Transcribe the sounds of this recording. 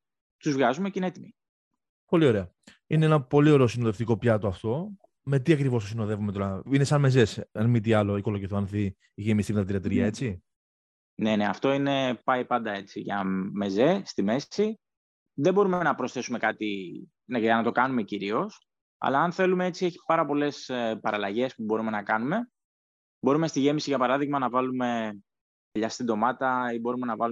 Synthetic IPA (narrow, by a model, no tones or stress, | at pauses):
t̪uzvɣɐzumecineet̪imi | po̞lio̞ɾe̞ɐ | ineenɐpo̞lio̞ɾe̞o̞sinoðe̞ft̪iko̞pçɐt̪oɐft̪o̞ | me̞t̪iɐkɾivost̪osino̞ðe̞vumet̪oɾɐinesɐnme̞ze̞sɐnmit̪iɐlo̞iko̞loʝiθoɐnθi | ʝemist̪imet̪ɐt̪iɾɐt̪ɾiɐe̞t͡si | ne̞ne̞ɐ̰ft̪o̞ine̞pɐipɐnd̪ɐe̞t͡siʝɐme̞zest̪ime̞si | ðebo̞ɾume̞nɐpɾo̞sθe̞sume̞kɐt̪i | nɐnɐt̪o̞kɐnume̞ciɾio̞s | ɐ̰lɐːnθe̞lume̞e̞t͡sie̞çi̥pɐɾɐpo̞le̞spɐɾɐlɐʝe̞spubo̞ɾume̞nɐkɐnume̞ | bo̞ɾume̞st̪iʝe̞misiʝɐpɐɾɐðiɣmɐnɐvɐlume̞ | ðeʎɐst̪ind̪o̞mɐt̪ɐibo̞ɾume̞nɐvɐlu